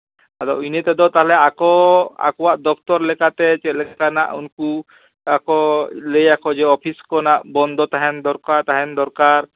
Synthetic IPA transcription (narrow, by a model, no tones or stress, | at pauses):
ad̪ɔinɛt̪ɛd̪ɔt̪aɦalɛakɔa̰kɔwaʔd̪ɔk̚ʰt̪ɔɾlɛkat̪ɛt͡ʃɛt̪̚lɛkana̰ʔunku | akɔlejakɔd͡ʒɛɔpʰiskɔnaʔbɔnd̪ʱɔt̪aɦɛnd̪ɔɾkat̪aɦɛnd̪ɔɾkaɾ